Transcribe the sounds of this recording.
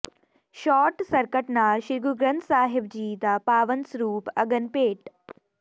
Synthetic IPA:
ʃɔːʈsɐɾkəʈnaːʃiɾɡuɡɾɐnt̪saːɦɪb̚d͡ʑiːd̪apaːʋɐnsɾuːpɐɡənpeːʈ

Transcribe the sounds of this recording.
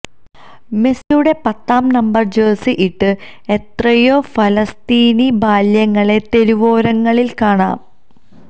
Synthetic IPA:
me̞sjuɽe̞pɐt̪ːaːmnɐmbɐrd͡ʑeːsiʔiʈːɨ | e̞t̪rɐjoːfɐlɐst̪iːnibaːljɐŋːɐɭe̞t̪e̞ɾuʋo̞ːɾɐŋːɐɭilkaːɳa̰ːm

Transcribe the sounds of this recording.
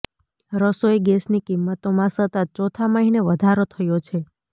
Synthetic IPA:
ɾəsoeɡɛsnikimːət̪omãsət̪ət̪̚t͡ʃɔt̪ʰaməɦineʋəd̪ʱaɾot̪ʰəjot͡ʃʰe

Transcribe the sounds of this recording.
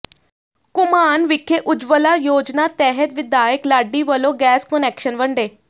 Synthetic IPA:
kʊmaːnʋɪkʰːeʔʊd͡ʒʋəlaːjoːd͡ʒnaːt̪ɛːɦət̪ʋɪd̪aːjəklaːɖːiːʋəloːɡɛːskənɛːkʃənʋəɳɖeː

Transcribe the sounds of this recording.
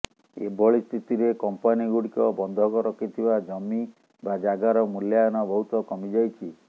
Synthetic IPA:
ḛbʱɔɭist̪ʰit̪iɾekɔmpaniɡuɽikɔbɔnd̪ʱɔkɔɾɔkʰit̪ʰibad͡ʒɔmːi | bad͡ʒaɡaɾɔmuljajɔnɔbɔɦut̪ɔkɔmid͡ʒajt͡ʃʰi

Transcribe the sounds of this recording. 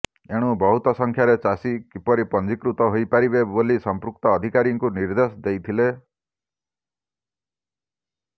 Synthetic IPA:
eɽ̃ubɔɦut̪ɔsɔŋkʰjaɾet͡ʃasikipɔɾipɔnd͡ʒikɾut̪ɔɦojpaɾibebolisɔmpɾuk̚t̪ɔːd̪ʱikaɾiŋkuniɾd̪esɔd̪ejt̪ʰile

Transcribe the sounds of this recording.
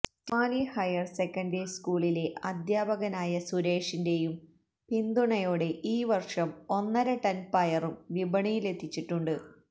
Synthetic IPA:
taːlihɐjɐrsekːɐndiskuːɭile̞ʔɐd̪ʱjaːbɐɣɐnaːjɐsuɾe̞ːʂinde̞jum | pind̪uɳɐjoːɽe̞ʔiːʋɐrʂɐmo̞nːɐɾɐʈɐnpɐjɐrumʋibɐɳijile̞t̪ʰːit͡ɕːiʈːuɳɖɨ

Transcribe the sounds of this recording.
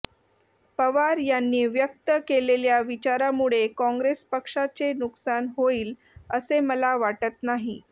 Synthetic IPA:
pəʋaɾjanːiːʋjək̚t̪əkeleljaʋit͡ɕaɾamuɭekɔ̃ŋɡɾespəkʂat͡senuksanɦoiːl | əseməlaʋaʈət̪naɦi

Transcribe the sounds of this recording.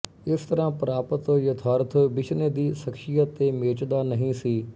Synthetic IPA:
ɪst̪əɾãːpəɾaːpət̪oːjət̪ʰaːɾət̪oːbɪʃneːd̪iːsəkʃɪjat̪eːmeːt͡ʃd̪aːnəɦĩːsiː

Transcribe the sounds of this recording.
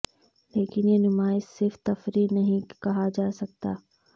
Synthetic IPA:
leːkɪnjenʊmaːɪssɪɾft̪ɐfɾinɐɦĩkɐɦad͡ʒaːsɐk̚t̪a̰ː

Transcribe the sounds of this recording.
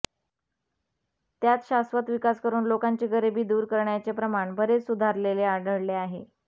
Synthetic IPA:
t̪jat̪ɕasʋət̪ʋikaskəɾuːnlokaɲt͡ɕeɡəɾibiːd̪uːɾkəɾɳjat͡sepɾəmaɳbʱəɾet͡ssud̪ʱaɾleleaɖəɭleaɦe

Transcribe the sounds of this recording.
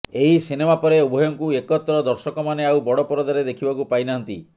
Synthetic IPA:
eɦisinemapɔɾeubʱɔjɔŋkuekɔt̪ɾɔd̪ɔɾsɔkɔmaneawbɔɽɔpɔɾɔd̪aɾed̪ekʰibɔkupajnaɦɔnt̪ḭ

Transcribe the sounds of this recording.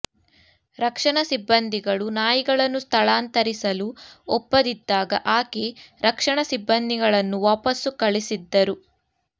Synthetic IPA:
ɾɐkʂɐɳɐsibːɐnd̪iɡɐɭunaːjiɡɐɭɐnːust̪ʰɐɭaːnt̪ɐɾisɐluɔpːɐd̪id̪ːaːɡɐ̰ʔaːkeɾʔɐkʂɐɳɐsibːɐnd̪iɡɐɭɐnːuʋaːpɐsukɐɭisid̪ːɐɾu

